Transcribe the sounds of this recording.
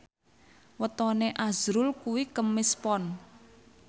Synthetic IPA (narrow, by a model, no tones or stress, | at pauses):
wət̪ɔneʔaz̥ɾʊlkuwikəmːɪspɔn